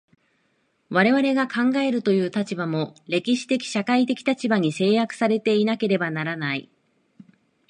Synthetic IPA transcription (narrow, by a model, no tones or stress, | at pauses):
βaɾe̞βaɾe̞ɡakʰãŋɡae̞ɾɯ̟t̪o̞jɯ̟ːt̪at͡ɕibamo̞ɾe̞kʲiɕi̥t̪e̞kʲi̥ɕakait̪e̞kʲi̥t̪at͡ɕibaɲ̟ise̞ːjakɯ̥saɾe̞t̪e̞inake̞ɾe̞banaɾanaḭ